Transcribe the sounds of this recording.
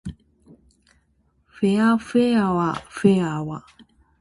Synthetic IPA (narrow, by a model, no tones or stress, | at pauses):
feafeawafeawa